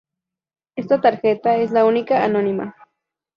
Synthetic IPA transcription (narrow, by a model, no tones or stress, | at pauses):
est̪at̪aɾxet̪aeslaunikaanonima̰